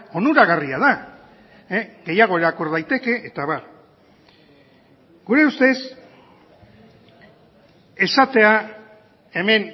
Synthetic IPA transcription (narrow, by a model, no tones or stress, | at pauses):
o̞nuɾaɣariaða | eɡe̞jaɣ̞o̞eɾakoɾð̞ajt̪e̞ke̞ʔeːt̪aβaɾ | ɡ̥uɾe̞ust̪e̞s | e̞sat̪e̞a | e̞me̞n